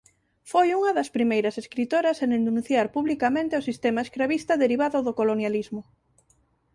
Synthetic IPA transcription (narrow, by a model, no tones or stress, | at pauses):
fojuŋɐðɐspɾimejɾɐseskɾit̪oɾɐsenenũnθjaɾpuβlikamẽnt̪eosist̪emaeskɾaβist̪ɐðeɾiβaðʊðʊkolonjalizmʊ